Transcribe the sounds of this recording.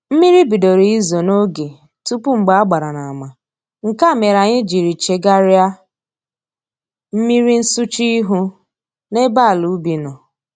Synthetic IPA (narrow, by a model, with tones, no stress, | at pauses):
m̩˦mi˦ɾi˦bi˨do˨ɾi˨˦i˦zo˨no˦ɡe˨ | tu˦pu˦ŋ͡m̩˨ɡ͡ba˦ɡ͡ba˨ɾa˨na˨a˨ma˨ | ŋ̩˨ka˦˨me˨ɾa˨ɲɪ˦d͡ʒi˨ɾi˨t͡ʃe˨ɡa˦ɾa˦ | m̩˦mi˦ɾi˦n̩˦su˦t͡ʃi˦ɦu˦ | ne˦ba˦˨lu˨˦bi˨nɔ˨